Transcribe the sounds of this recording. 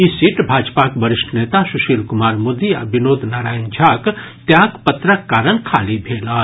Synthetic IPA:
isiʈbʱaːd͡ʒpaːkbəɾɪʃʈʰneːt̪asʊʃiːlkʊmaːɾmoːd̪iɐbɪnoːd̪ʱnaːɾaːjənd͡ʒʱaːk | t̪jaːkpɐt̪ɾəkːaːɾənkʰaːlibʱeːlaː

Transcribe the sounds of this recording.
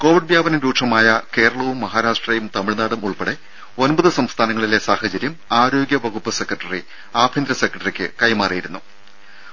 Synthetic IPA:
ko̞ːʋiɖ̚bjaːbɐnɐmɾuːʈʂɐmaːjɐke̞ːɾɐɭɐʋumːɐɦaːɾaːʂʈrɐjumt̪ɐmiɭnaːɽɐmuɭpeɽe | o̞nbɐðɨsɐmst̪ʰaːnɐŋːɐɭile̞saːhɐt͡ɕɐɾjɐmaːɾo̞ːɡʲjɐʋɐɣupːɨse̞kːrɐʈːɐri | aːbʰʱind̪ɾɐsekrɐʈːɐrikʲːɨ̰kɐjmaːrijiɾunːu

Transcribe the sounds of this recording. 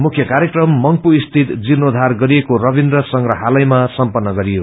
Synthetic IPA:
mukʰjʌkaɾjekrʌmːʌŋpuist̪ʰit̪d͡zinod̪ʱarɡʌɾijekorʌbind̪ɾʌsʌŋɾʌɦalʌjmasʌmpʌnːʌɡʌɾijo

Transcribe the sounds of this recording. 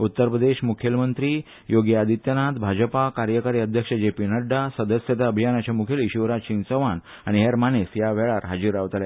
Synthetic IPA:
ut̪ːəɾpɾəd̪eɕmukʰjəlmənt̪ɾi | joɡjəad̪ʱit̪jənat̪bʱad͡ʑəpakaɾjəkaɾiːəd̪ʱjəkʂəd͡ʑepiːnəɖːasəd̪əsjət̪aəbʱijanat͡ɕamukʰeliɕiʋɾaɕint͡səʋan | aɽ̃iɦeɾmanesjaʋɛɭaɾɦad͡ʑiɾaʋt̪lja

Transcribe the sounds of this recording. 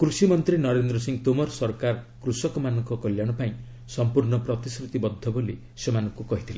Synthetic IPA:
kɾusimɔnt̪ɾinɔɾend̪ɾɔsiŋt̪omɔɾsɔɾkaɾkɾusɔkɔmanɔŋkɔkɔljaɽ̃ɔpaĩ | sɔmpuɾɳɔpɾɔt̪iskɾut̪ibɔd̪ʱːɔboli | semanɔ̃ŋkukɔɦit̪ʰilẽ

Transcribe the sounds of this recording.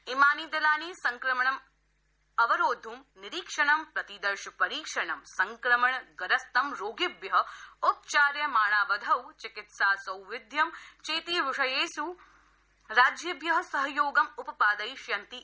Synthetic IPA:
imaːniːd̪ɐlaːniːsɐŋkɾɐmɐɳɐm | ɐʋɐɾoːd̪ʱumnɪɾiːkʂɐɳɐmpɾɐt̪id̪ɐɾʃɐpɐɾiːkʂɐɳɐmsɐŋkɾɐmɐɳɡɐɾɐst̪ɐmɾoːɡɪbjɐɦʊp̚t͡ʃaːɾjɐmaːɭaːʋɐd̪ʱɐwt͡ʃɪkɪt̪saːsɐwʋɪd̪ʱjɐmt͡ʃeːt̪iːʋɪʂɐjeːsu | ɾaːd͡ʒjɐbjɐɦɐsɐɦɐjoːɡɐmupɐpaːd̪ɐjʃjɐnt̪i

